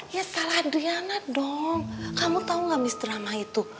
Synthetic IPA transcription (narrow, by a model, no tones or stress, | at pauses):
jasalahdianadɔŋkamut̪auŋɡamist̪əɾamait̪u